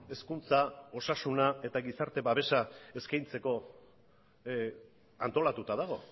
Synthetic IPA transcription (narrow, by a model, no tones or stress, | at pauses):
e̞skunt͡sao̞sasunae̞t̪aɣisaɾt̪e̞βaβe̞sae̞skajnt͡se̞ko̞ | ant̪o̞lat̪ut̪að̞aɣ̞o̞